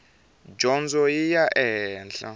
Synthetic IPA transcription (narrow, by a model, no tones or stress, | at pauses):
d͡ʒɔnzɔjijaʔɛnɬa̰